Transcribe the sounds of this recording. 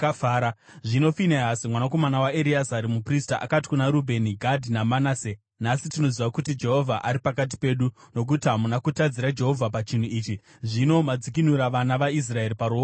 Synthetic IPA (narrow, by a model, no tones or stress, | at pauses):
aːɾaʐino̞fineɦasimwanako̞manawaeɾiasaɾimupristaʔa̰kati̥kunaɾubʱe̞niɡʱadʱinamanaːse | nasitino̞ziʋakutid͡ʒe̞ɦo̞vʱaʔaɾipakat̬i̥pe̞ɗuno̞k̬utiɦamunakutad͡ziɾad͡ʒe̞ɦo̞vʱapat͡ʃin̤uiːt͡ʃi | ʐino̞mad͡zik̬inuɾaʋanaʋais̬rae̞ripaɾo